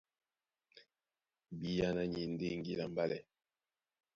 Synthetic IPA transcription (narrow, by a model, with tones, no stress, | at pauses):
bi˨ja˦na˦ɲi˨nde˦ŋɡi˦la˨mba˦lɛ˨